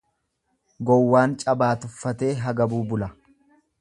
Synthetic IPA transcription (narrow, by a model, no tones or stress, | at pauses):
ɡɔwːaːnt͡ʃʼɐbaːt̪ʊfːɐt̪e̞ːɦɐɡɐbuːbʊlɐ